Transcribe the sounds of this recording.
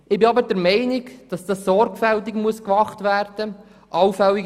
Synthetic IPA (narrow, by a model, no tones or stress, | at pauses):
ɪbɪɑbədɛɾmɛɪnɪɡd̥ɑsd̥ɑsːɔɾɡfɛltɪkmuəskvɑχtvæːrd̥ə | ʔɑwfɛlːi